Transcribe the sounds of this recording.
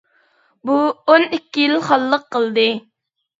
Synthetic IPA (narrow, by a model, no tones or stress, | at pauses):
buonikʲːijilχɑlˠːəqːəlˠd̪ɨ